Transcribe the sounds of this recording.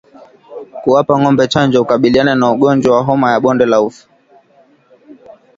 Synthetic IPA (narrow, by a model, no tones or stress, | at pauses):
kuwapaŋɔmbɛt͡ʃand͡ʒɔukaɓiliananauɠɔnd͡ʒwawaɦɔmajaɓɔndɛlaufu̥